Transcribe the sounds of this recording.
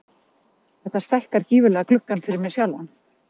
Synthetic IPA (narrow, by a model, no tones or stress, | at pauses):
θɛht̪ast̪ɛl̥kaɾ̥ciːvʏlɛːɣaklʏhkːanfɪɾɪɾmɛsjawlan